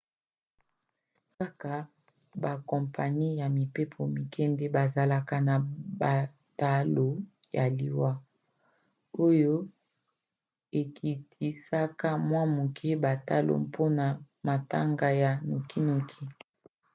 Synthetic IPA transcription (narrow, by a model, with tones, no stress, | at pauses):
ka˦ka˨ | ba˨kɔ˨mpa˨ni˦ja˨mi˨pe˦pʰo˨mi˨kʰɛ˦ndɛ˦ba˨za˨la˨ka˦na˨ba˨ | ta˦lo˨ | ja˨li˨wa˦ | o˦jo˦ | e˨kʰi˨tʰi˨sa˦ka˦mwa˦mu˨kʰe˦ba˨ta˦lo̰˨mpʰo˦na˨ | ma˨ta˦ŋɡa˦ja˨nu˨ki˦no˨kʰi˦